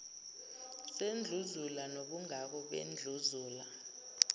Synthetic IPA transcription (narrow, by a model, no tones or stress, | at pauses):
send͡ɮʱuzulanoɓuŋak̬ɔɓḛnd͡ɮʱuzuːla